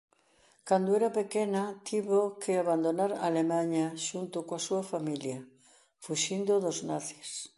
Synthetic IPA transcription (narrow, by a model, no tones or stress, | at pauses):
kand̪oeɾapekenɐt̪ʰiβokʰeaβand̪onaɾaːlemãɲaʃunt̪okoasuɐfamiljɐ | fuʃind̪oðoznaθi̥s